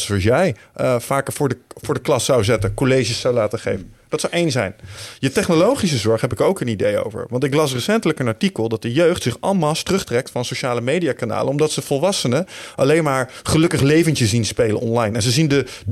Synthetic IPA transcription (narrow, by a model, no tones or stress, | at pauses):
sɑsjɛj | vaːkəvʊːɹəvʊːɹdəklɑsɑwzɛtənkolejʒisːɑwlaːtəχejvənd̥ɑtsɑwʔejnsɛjnjətɛχnolowχis̬əzɔɹχɦɛpɪkəɹowkənidejo̰wvə̰ɹʋɑntɪklɑs̬rəsɛntələkənɑɹtikəlˠdɑt̚dəjøɥχtsɪχɑlˠmalˠstrɵχtrɛk̚tfɑnsowʃaːləmejdijaːkana̰ːləɔmdɑtsəvɔlˠʋɑsənəʔɑlejnmaːɹχəlɵkəχlejvəntəzinspejlənʔɔ̰nlɑjnɛnzəzində